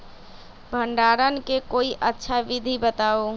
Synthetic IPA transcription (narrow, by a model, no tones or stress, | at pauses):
bʱəɳɖaɾənkekoiʔətːʃʰaʋid̪ʱibət̪aːo